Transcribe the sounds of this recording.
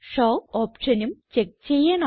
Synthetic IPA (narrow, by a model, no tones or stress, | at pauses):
ʂoːoːpʂɐnumt͡ɕek̚t͡ɕejːaːnɐ